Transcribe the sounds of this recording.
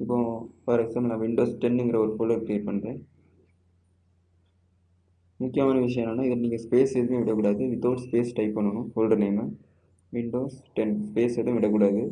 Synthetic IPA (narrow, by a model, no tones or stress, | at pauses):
ɪpːõːfɐɾɛksaːmblnaːʋɪɳɖoːsʈɛɳɛŋɡɪɾɐɔɾɯpɔlɐɾkɾeːʈ̚pɐɳːɾẽː | mʊkːɪjɐmaːnɐʋɪʂɐjɐ̃naːnaːɪðɐniːŋɡɐspeːsɛðɯmẽːʋɪɽɐkːuːɽaːðɯʋɪt̪ːoːʈspeːsʈɐɪpːɐɳːɐnʊ̃fɔlrɐneːmɐ | ʋɪɳɖoːsʈɛnspeːsɛðɯ̃ʊ̃ʋɪɽɐk̬ːuːɽaːðɯ